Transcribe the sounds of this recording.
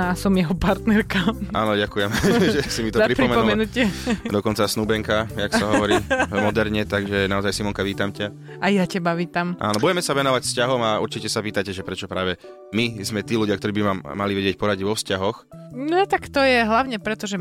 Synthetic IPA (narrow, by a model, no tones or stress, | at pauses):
asɔmjɛɦɔpaɾt̪nɛɾkaʔa̰ːnɔɟakujɛmʒʒɛsimit̪ɔaɾipɾimɛnpɔmɛnucɛd̪ɔkɔnt͡sasnuːbɛŋkajaksaɦɔʋɔɾiːmɔd̪ɛɾɲɛt̪aɡʒɛnaɔzajsimɔŋkaʋiːt̪amca | ajacɛbaʋiːt̪amʔa̰ːnɔbuɟɛmɛsaʋɛnɔʋacscaɦɔmaṵɾt͡ʃicɛsapiːt̪acɛʒɛpɾɛt͡ʃɔpɾaːʋɛ | mizmɛt̪iːluɟɪakt̪ɔɾiːbimamːaliʋɛɟɪɛc̚pɔɾaɟʋɔfscaɦɔx | nɔt̪akt̪ɔjɛɦlaʊɲɛpɾɛt̪ɔʒɛ